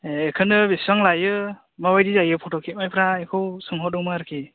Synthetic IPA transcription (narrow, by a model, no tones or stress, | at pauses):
eːkʰɯnɯbisaŋlajɯ | mabajdizajɯpʰɔtɔkʰit̚majpʰɾaekʰɯwsɯŋɦɔdɯŋmaɾɯkʰi